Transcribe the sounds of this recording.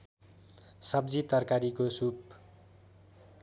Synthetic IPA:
sʌb̚d͡zit̪ʌrkaɾikosup

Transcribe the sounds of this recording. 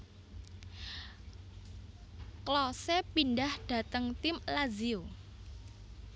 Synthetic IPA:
klɔsepindahɖ̥ä̤t̪əŋt̪ɪmlazio

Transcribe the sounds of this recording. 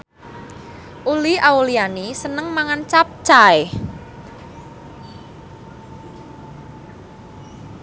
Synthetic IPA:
ʔuliaulianisənəŋmaŋant͡ʃap̚t͡ʃae

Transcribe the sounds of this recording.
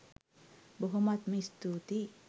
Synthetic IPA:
bəɦomat̪̚mist̪ut̪i

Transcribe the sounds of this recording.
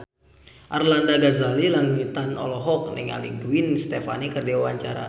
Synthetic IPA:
ʔarlandaɡazalilaŋit̪anɔ̰lɔɦɔk̚niŋa̰liɡwinst̪efa̰nikərdiwawaɲt͡ʃaɾa̰

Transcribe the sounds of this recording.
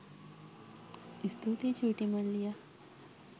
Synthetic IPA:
ist̪ot̪et͡ɕʰuʈimənlija

